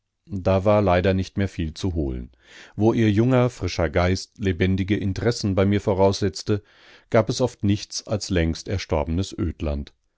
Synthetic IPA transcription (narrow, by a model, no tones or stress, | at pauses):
d̥aːvaːɐlaɪdɐnɪçtmeːɐfiːlt͡suɦoːlə̰n | voːʔiːɐjʊŋɐfʁ̥ɪʃɐɡaɪstlebɛndɪɡəʔɪntəʁɛsn̩baɪmiːɐfoʁaʊsz̥ɛt͡stə | ɡ̥aːpɛsʔɔftnɪçt͡salslɛŋstɛɐʃtɔɐbənəsʔøːtla̰nt